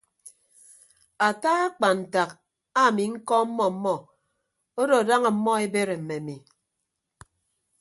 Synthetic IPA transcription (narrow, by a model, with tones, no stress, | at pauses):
a˨taː˦a˦k͡pa˨n̩˨ta˨k | a˦˨mi˨ŋ̩˦kɔ˦m̩˦mɔ˦m̩˦mɔ˦ | o˦do˨da˦ŋa˨m̩˦mːɔ˦e˦be˦ɾe˨m̩˨mːe˨mi˨